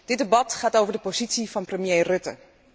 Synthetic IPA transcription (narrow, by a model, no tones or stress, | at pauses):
d̥ɪt̚dəbɑtχaːtowvəɹdəpozitsivɑnprəmjejrɵtə̰